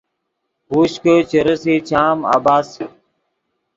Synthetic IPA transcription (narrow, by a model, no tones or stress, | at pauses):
ɦuɕkət͡ɕəɾəsiːt͡ɕʰaːma̰ːbaːs